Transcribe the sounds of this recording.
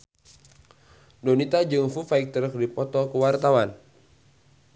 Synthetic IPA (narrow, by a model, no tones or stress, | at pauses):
donit̪ad͡ʒɨŋfufaik̚t̪əɾəkdipɔt̪ɔkəwart̪awan